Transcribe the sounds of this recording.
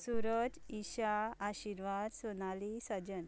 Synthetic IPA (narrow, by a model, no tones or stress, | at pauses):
suɾəd͡ʑiɕaaɕiɾʋad̪sonalisəd͡ʑən